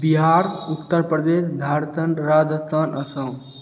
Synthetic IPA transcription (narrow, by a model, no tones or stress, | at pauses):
biɦaɾut̪ːəɾpɾəd̪esd̪ʱaɾt̪əɳɾad͡ʒət͡sənʔəsə̃